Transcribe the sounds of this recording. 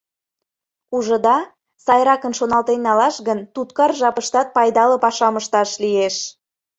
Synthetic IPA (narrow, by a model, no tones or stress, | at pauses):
uʒə̆d̪ɑ | sɑjɾɑkənʃonɑlt̪enːɑlɑʃɣənt̪ut̪kɑrʒɑpəʃt̪ɑt̪̚pɑjd̪ɑlə̆pɑʃɑməʃt̪ɑʃlieʃ